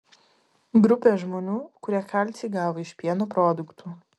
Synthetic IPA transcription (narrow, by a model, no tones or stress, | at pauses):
ɡɾʊpʲeːʒmoːnʲuːkʊɾʲiɛkaˑlʲt̪sʲiːɡɑːʋoɪʃʲpʲiɛnuːpɾoːd̪ʊkt̪uː